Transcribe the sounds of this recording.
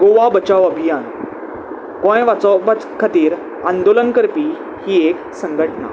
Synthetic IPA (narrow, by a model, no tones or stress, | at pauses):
ɡoʋabət͡ɕaʋəbʱijan | ɡõjʋat͡sɔʋat͡skʰat̪iːɾ | ãnd̪olənkəɾpiː | hiːek | səŋɡʱəʈna̰